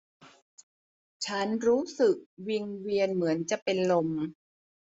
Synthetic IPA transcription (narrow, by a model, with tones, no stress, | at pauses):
t͡ɕʰa˦˥nɾuː˦˥sɯ˨˩k̚wi˧ŋwi˧ənmɯ˩˦ənt͡ɕa˨˩ʔpe˧nlo˧m